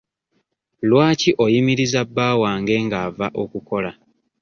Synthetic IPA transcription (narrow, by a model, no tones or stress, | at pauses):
lwaːciʔo̞jimiɾizabːaːwaːŋɡe̞ːŋɡaːvaʔo̞kuko̞la